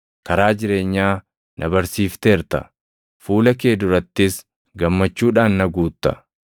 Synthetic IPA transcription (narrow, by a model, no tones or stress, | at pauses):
kɐɾaːd͡ʒɪɾe̞ːɲːaː | nʔɐbɐɾsiːft̪e̞ːɾt̪ɐ̰ | fuːlɐke̞ːd̪ʊɾɐt̪ːɪs | ɡɐmːɐt͡ʃːuːᶑaːnːɐɡuːt̪ːɐ̰